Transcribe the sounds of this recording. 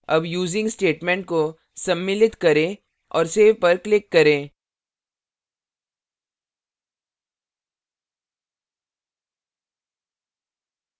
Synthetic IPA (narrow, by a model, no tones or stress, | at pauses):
ɐbjuːzɪ̃ŋɡsʈeːʈmɛ̃ːɳʈ̚ko | sɐ̃mːɪlɪt̪kɐɾẽ | ɔːɾseːʋpɐɾklɪkːɐɾẽː